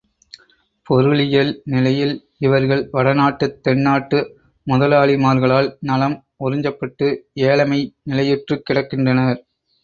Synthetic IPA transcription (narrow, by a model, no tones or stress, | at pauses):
pɔɾɯɭɪjɐlnɪlɐjɪl | ɪʋɐɾɣɐɭʋɐɽɐnaːʈːɯt̪ːɛɳːaːʈːɯ | mʊðɐlaːɭɪmaːɾɣɐɭaːlnɐlɐm | ɔɾɪɲd͡ʒɐpːɐʈːɯeːlɐmɐɪnɪlɐjɪʈrɯkːɪɽɐkːɪndrɐnɐɾ